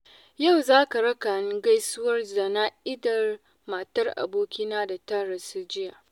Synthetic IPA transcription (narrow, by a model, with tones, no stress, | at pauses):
ja˦˨wzaː˦ka˨ɽɐ˦ka˨nɪ˦ŋɡa˦jsʊ˦wɐ˦rda˨na˦ʔɪ˦dɐ˨r | ma˨tɐ˦rʔa̰˨boː˦kʲiː˦naː˦da˨tɐ˦ɽɐ˨si˦d͡ʒɪ˦ja˨